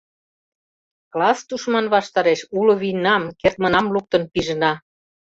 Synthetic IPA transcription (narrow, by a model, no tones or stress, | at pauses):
klɑst̪uʃmɑnβɑʃt̪ɑɾeʃulŏβijnɑmkert̪̚mə̆nɑmluk̚t̪ə̆npiʒə̆nɑ